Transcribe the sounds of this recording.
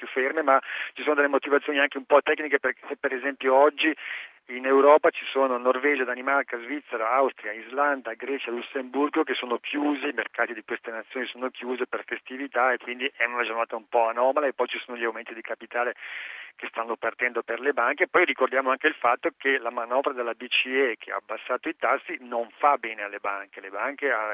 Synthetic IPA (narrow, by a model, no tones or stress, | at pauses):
pjufːermemat͡ʃisoːnod̪elemot̪ivat̪sːjoːniaŋkeumpɔt̪ːɛknikeperkesepːeɾezɛmpjoɔd͡ʒːi | inewɾɔːpat͡ʃi̥soːnonorvɛːd͡ʒad̪animarkazvit̪sːeɾaawst̪ɾijaizland̪aɡɾɛːt͡ʃalusemburɡokesːoːnokʰjuːziːmerkaːt̪id̪ikwest̪enat̪sːjoːnisoːnokjuːzeperfest̪ivit̪aekːwind̪iʔɛunad͡ʒornaːt̪aumpɔanɔːmalaepːɔjt͡ʃisoːnoʎawment̪id̪ikapit̪aːlekest̪anːopart̪ɛnd̪operlebaŋkeːpːɔjrikord̪jaːmoaŋkeilfat̪ːokelamanɔvɾad̪elːabit͡ʃiekʰea̰ːbːasːaːt̪oit̪asːinoɱfabɛːnealːebaŋkelebaŋkea